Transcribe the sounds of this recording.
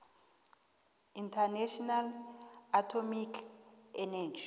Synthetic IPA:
intʰanɛʃɔnalatʰɔmikʰɛnɛd͡ʒi

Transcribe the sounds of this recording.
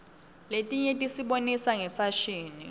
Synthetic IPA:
letʼiɲɛtʼisiɓonisaŋɛfaʃiːnḭ

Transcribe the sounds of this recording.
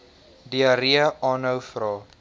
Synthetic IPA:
diəɾiəɑːnəwfrɑː

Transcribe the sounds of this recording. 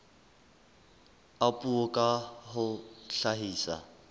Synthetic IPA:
apʼuokʼahʊɬaɦiːsa̰

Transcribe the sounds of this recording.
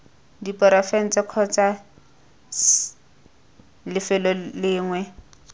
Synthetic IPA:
dipɔɾafɛn̩t͡sʼɪq͡χʰɔt͡sa | lɪfɛlɔlɪːŋwɛ

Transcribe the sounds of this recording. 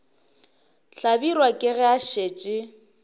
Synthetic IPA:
ɬabirwakʼɪɣɛaʃeːt͡ʃʼɪ

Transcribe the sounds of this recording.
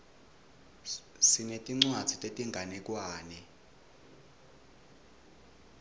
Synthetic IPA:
sinetʼiŋ͡ǀwad̥z̥ʱitʼetʼiŋɡʱanɛk̬ʼwaːnɛ

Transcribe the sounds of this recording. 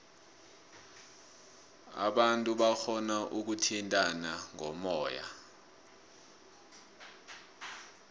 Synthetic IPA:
a̰ɓantʼuɓaxʰɔnaʔuk̬utʰintʼanaŋʱɔmɔːja̰

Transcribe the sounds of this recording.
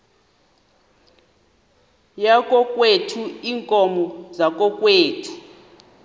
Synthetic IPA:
jakʼɔkʼwetʰuiːŋkʼɔmɔzak̬ʼɔkʼweːtʰu̥

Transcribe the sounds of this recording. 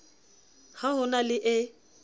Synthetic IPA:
haɦʊnalɪʔɪ

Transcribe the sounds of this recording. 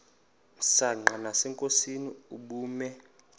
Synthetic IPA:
saŋ͡ǃanasɛŋkʼosiniuɓuːmɛ

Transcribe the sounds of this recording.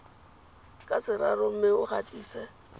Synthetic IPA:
kʼasɪɾarʊm̩mɪʊχatʼiːsɛ

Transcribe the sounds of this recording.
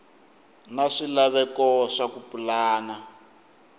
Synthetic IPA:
naʂilaβɛkɔʂakupulaːna

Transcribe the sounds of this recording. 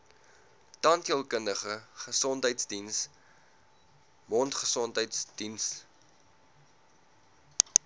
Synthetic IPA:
tɐntiəlˠkəndəχəχəsɔntɦəjtsdins | mɔntχəsɔntɦəjtsd̥ins

